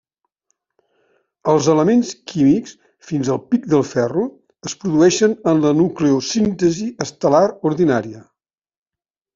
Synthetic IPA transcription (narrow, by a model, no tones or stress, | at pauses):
əlˠzələmenskʰimiks | finzəlˠpik̚d̪əlˠfɛru | əspɾuðuɛʃənənlənukleusint̪əziəst̪əlaɾuɾðinaɾiə